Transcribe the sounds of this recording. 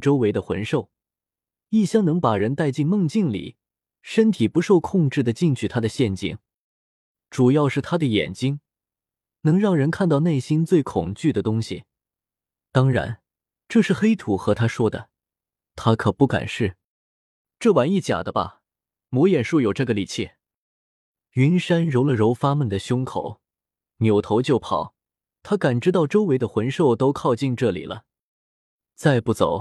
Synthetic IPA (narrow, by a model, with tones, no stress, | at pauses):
ʈ͡ʂo˥ʊwe˧˥ɪd̪ə˧xwə̰˧˥nʂo˥˩ʊ | i˥˩ɕjɑ˥ŋnɤ˧˥ŋpa˨˩ɻə˧˥nt̪a˥˧ɪt͡ɕi˥˧nmɤ˥˧ŋt͡ɕi˥˩ŋlḭ˨˩˦ | ʂə˥nt̪ʰi˨˩pu˧˥ʂo˥˧ʊkʰʊ˥˧ŋʈ͡ʂɻ̩˥˩d̪ə˩t͡ɕi˥˧ŋt͡ɕʰy˥˩t̪ʰa˥d̪ə˨ɕjɛ˥˧nt͡ɕḭ˥˩ŋ | ʈ͡ʂu˨˩jɑ˥˧ʊʂɻ̩˥˩t̪ʰa˥d̪ə˨jɛ̰˨˩nt͡ɕi˥ŋ | nɤ˧˥ŋɻɑ˥˩ŋɻə˧˥nkʰa˥˧nt̪ɑ˥˧ʊne˥˩ɪɕi˥nt͡swe˥˩ɪkʰʊ̰˨˩ŋt͡ɕy˥˩d̪ə˩t̪ʊ˥ŋɕḭ˨˩ | t̪ɑ˥ŋɻa̰˧˥n | ʈ͡ʂɤ˥˧ʂɻ̩˥˩xe˥ɪt̪ʰu˧˥xɤ˧˥t̪ʰa˥ʂwɔ˥d̪ə̰˨ | t̪ʰa˥kʰɤ˨˩pu˥˩ka̰˨˩nʂɻ̩˥˩ | ʈ͡ʂɤ˥˩wa˧˥ni˥˩t͡ɕja̰˨˩d̪ə˦bɐ̰˧˩ | mwɔ˧˥jɛ˨˩nʂu˥˩jo˨˩ʊʈ͡ʂɤ˥˩ɡə˩li˨˩t͡ɕʰi˥˩ | y˧˥nʂa˥nɻo˧˥ʊlə˨ɻo˧˥ʊfa˥mə˨nd̪ə˩ɕjʊ˥ŋkʰo̰˨˩˦ʊ | njo˨˩ʊt̪ʰo˧˥ʊt͡ɕjo˥˩ʊpʰɑ̰˨˩˦ʊ | t̪ʰa˥ka˨˩nʈ͡ʂɻ̩˥t̪ɑ˥˩ʊʈ͡ʂo˥ʊwe˧˥ɪd̪ə˧xwə˧˥nʂo˥˩ʊt̪o˥ʊkʰɑ˥˧ʊt͡ɕi˥˧nʈ͡ʂɤ˥˩lḭ˨˩lʔə̰˦ | t͡sa˥˧ɪpu˥˩t͡so̰˨˩˦ʊ